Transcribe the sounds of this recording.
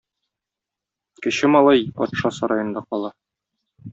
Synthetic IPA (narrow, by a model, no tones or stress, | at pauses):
kɘ̆ɕɘmɒlˠɑjɒ̰t̪ʃɑsɒɾɑjɤ̆nd̪ɑqɒlˠɑ